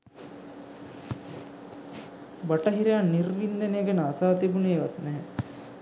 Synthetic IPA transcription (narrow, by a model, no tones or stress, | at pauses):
baʈɐɦiɾejanːirʋind̪enejɡenəasaːt̪ibuneːʋat̪nɛɦɛ